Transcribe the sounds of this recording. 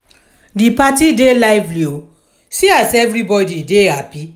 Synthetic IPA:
dipatidelaɪvlo | siasɛvɾibɔdidehapi

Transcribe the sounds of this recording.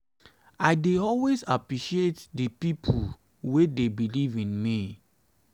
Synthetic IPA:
aɪdeɔlwezapɹiʃietdəpipʰul | wedebilivĩnmi

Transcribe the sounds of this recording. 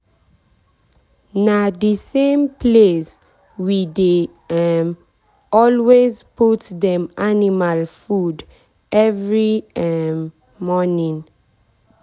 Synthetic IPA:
nadisẽmpʰles | wide | m | ɔlwezputdɛ̃manimalfud | ʔɛvɹiɛm | mɔnĩn

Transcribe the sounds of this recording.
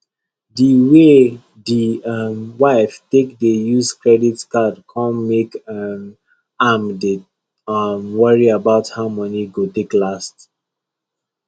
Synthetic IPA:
diwe | diʌmwaɪftekdejuskɹɛditkadkʰɔ̃nmekm | amde | mwʌɹiabaʊthaʊmɔniɡoteklast

